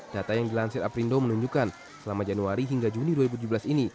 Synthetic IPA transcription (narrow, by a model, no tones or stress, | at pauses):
d̥at̪ajaŋdilansɪɾapɾindomənuɲd͡ʒukan | səlamad͡ʒanuaɾiɦiŋɡad͡ʒuniduaɾibut̪ud͡ʒubəlasini